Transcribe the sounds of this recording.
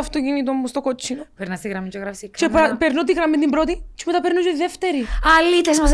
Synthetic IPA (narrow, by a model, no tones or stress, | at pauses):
ɐft̪ocinit̪omːust̪okot͡ʃːinpeɾnɐst̪iɣɾɐmit͡ʃoɣɾɐfsikt͡ʃepɐpeɾnot̪iɣɾɐmint̪imbɾot̪it͡ʃemet̪ɐpeɾnut͡ʃt̪iðeft̪eɾiɐlit̪ezmɐs